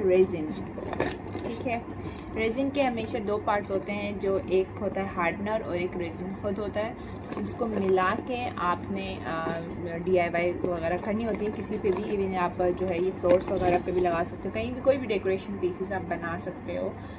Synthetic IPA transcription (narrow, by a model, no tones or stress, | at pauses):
ɾeːzɪ̃ŋ | ʈʰiːkɦɛː | ɾeːzɪ̃ŋɡkeɦɐmeːʃad̪oːpaːɾʈsɦoːt̪eɦɛ̃d͡ʒoːʔeːkɦoːt̪aɦɛɦaːɾɖnəɾɔ̰ːɾeːkɾeːzɪ̃ŋɡxʊd̪ʱɦoːt̪aɦɛː | d͡ʒɪskomɪlaːkeʔaːpne | ɖiːaːʋaːiʋɐɣɛːɾakʰɐɾnĩɦoːt̪̬iɦɛ̃kɪsipebʱibɪnaːpd͡ʒoːɦɛjefloːsʋɐɣɛːɾapebʱilɐɡaːsɐk̚t̪eɦõkɐɦĩbʱikoːibʱiɖeːkoːɾeːʃənpiːsɪzaːp̚bɐnaːsɐk̚t̪eɦoː